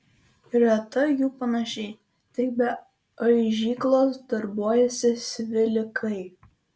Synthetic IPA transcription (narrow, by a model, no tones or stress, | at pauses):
ɪɾɐt̪ɐjuːpɐnɐʃʲɛɪ | t̪ɐɪbʲɛ | ɐɪʒʲiːklˠoːsd̪̥ɐɾbuɔjɛsʲɪsʲʋʲɪlʲɪkʰɐɪ